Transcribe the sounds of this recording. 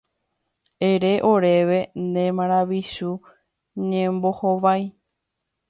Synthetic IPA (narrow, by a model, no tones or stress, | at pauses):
eɾeʔo̞ɾe̞ʋe̞nẽmãɾ̃aʋiʃu | ɲẽmbo̞hoʋaj